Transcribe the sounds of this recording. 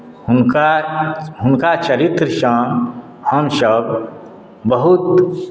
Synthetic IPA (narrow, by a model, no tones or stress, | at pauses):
na | ɦʊnkat͡ʃəɾit̪ɾəʃãː | həmʃəb | bəɦut̪